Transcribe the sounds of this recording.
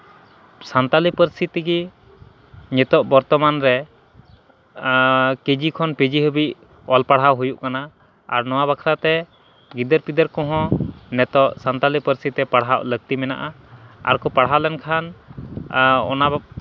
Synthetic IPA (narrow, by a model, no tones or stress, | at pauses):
sant̪alipəɾist̪it̪iɡi | ɲɛt̪ɔʔbɔɾt̪ɔmanɾɛ | ked͡ʒikʰɔnped͡ʒiɦəbiʔ | ɔlpaɽɦawɦujuʔkana | a̰ɾnɔwaβakʰɾat̪ɛ | ɡid̪əɾpid̪əɾkɔ̃ɦɔ̃nɛt̪ɔʔsant̪alipəɾisit̪ɛpaɽɦaw̰ʔləɡ̚t̪imɛna̰ʔa | a̰ɾkɔpaɽ̤ɦawlɛnkʰan | ɔ̰na